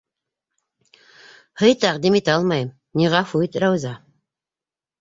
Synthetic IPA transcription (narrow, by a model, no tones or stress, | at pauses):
hɤjt̪æqd̪imit̪æɑlˠmɑjɤm | nʲiʁɑfuit̪ɾæwzɑ